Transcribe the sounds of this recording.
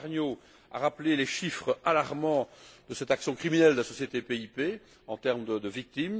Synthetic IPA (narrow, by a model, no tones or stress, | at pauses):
ʁnjo | a̰ʁapleleʃifχəalaʁmɑ̃d̪əsɛt̪aksjɔ̃kχiminɛld̪əlasɔsjet̪epeipe | ɑ̃t̪ɛʁmd̪əd̪əvik̚t̪im